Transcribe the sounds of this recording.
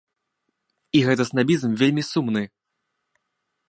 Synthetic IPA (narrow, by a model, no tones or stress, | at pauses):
iɣɛt̪ɐsnabʲizmvʲelʲmʲisumnɨ